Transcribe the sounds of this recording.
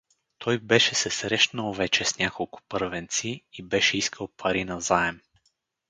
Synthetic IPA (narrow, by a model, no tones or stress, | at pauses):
t̪ʰɔjbɛʃɛsɛsɾɛʃnəlˠvɛt͡ʃɛsnʲakolˠkʊ̥pɤɾvɛnt̪siːbɛʃɛiskʰəlˠpʰɐɾinɐzaɛm